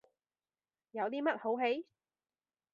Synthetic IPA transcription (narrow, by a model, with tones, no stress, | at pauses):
jɐ˨˧wt̪iː˥mɐ˥t̚ho˨˥wɦe˨˥j